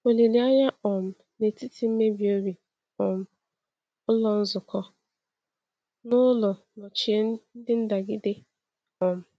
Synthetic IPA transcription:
o˨li˨li˨a˦ɲa˦ɔ˨m̩˦ | ne˨ti˦ti˨m̩˦me˦bi˨o˦ɾi˨ | ɔ˨m̩˦ | ʊ˦lɔ˨n̩˦zʊ˨kɔ˦ | nʊ˦lʊ˨ | nɔ˨t͡ʃi˨e˦n̩˦dɪ˦n̩˦da˨ɡɪ˦de˦ | ɔ˨m̩˦

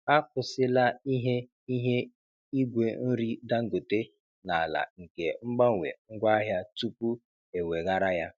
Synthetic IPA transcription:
a˦kʊ˨sɪ˦la˦i˦ɦe˦ | i˦ɦe˦ | i˦ɡʷe˨n̩˦ɾi˦da˦ŋ̩˦ɡo˨te˦ | na˨la̰˨ŋ̩˨ke˨ŋ͡m̩˦ɡ͡ba˦˨wʷḛ˨ŋ̩˦ɡʷa˦a˦ɦja˦tu˦pu˦ | e˨we˨ɣa˦ɾa˦ja˦

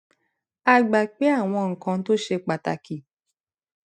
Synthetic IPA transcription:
a˧ɡ͡ba˨k͡pe˦a˦˨w̃ɔ̃˧ŋ̩˨kã˧˦to˦ʃe˧k͡pa˨ta̰˧ki˨

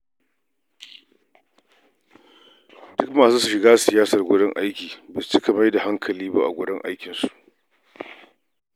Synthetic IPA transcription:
dʊ˦kmaː˨suː˦su˨ʃɪ˨ɡaː˦sɪ˨jaː˦sɐ˨rɡʷʊ˦ɽɪ˦ŋʔa˦jkʲiː˨bɐ˨st͡ʃɪ˦ka˨ma˦jda˨ha˦ŋkʰɐ˨liː˦ba˦ʔa̰˨ɡʷʊ˦ɽɪ˦ŋʔa̰˦jkʲɪ˨nsu˨ʔ

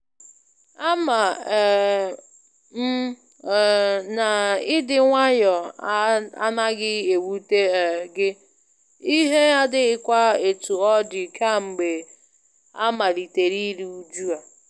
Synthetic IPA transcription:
a˦ma˨ | m̩˦˨ | na˨ɪ˦dɪ˦ŋʷa˦ɲɔ˨˦ | a̰˦na˦ɡɪ˦e˨wu˦te˦˨ɡɪ˦ | i˦ɦe˦a˦dɪ˦ɣɪ˦kʷa˦e˨tu˨ɔ˦dɪ˨ka˦m̩˨ɡ͡be˨ | a̰˦ma˨li˨te˨ɾi˦ɾi˦u˨d͡ʒu˦a˨

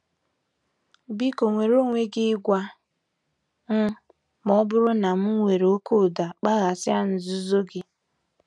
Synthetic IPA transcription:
bi˦ko˨ŋʷe˨ɾo˦ŋʷe˦ɡɪ˦ɡʷa˦ | m̩˦ | mɔ˦bʊ˦ɾʊ˦na˨m̩˦ŋʷe˨ɾe˨o˦ko˦˨da˨k͡pa˦ɣa˨sɪ˦a˦n̩˨zʊ˦zo˦ɡɪ˦

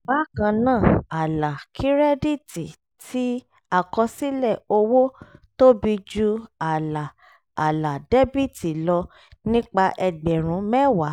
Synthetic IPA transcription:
ba˦kã˧nãː˦˨a˨la˨kʰi˦ɾɛ˦di˦˨ti˨ | ti˦ | a˦˨kɔ˧si˦lɛ˦˨o˧wo˦to˦bi˧d͡ʒu˧a˨laː˨ | la˨dɛ˦bi˦˨ti˨lɔ˧ | nĩ˦k͡pa˧ʔɛ˧ɡ͡bɛ˨ɾ̃ũ˨˦mɛ˦wa˨˦

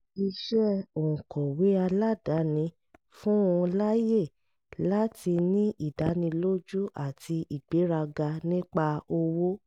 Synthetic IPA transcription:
i˧ʃɛ˦o˨ũ˨kɔ˨we˨˦a˧la˦˨da˨˦nĩ˧ | fũ˦ũ˧la˦je˦˨ | la˦ti˧nĩ˦ʔi˦˨da˨˦nĩ˧lo˦d͡ʒu˦a˨tʰi˧ʔi˨ɡ͡be˨˦ɾa˧ɡa˧nĩ˦k͡pa˧o˧wo˦

